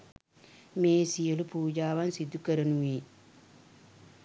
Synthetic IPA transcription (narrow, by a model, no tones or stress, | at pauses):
meːsijelupuːd͡ʒaːβansid̪ukɐɾɐnuwiː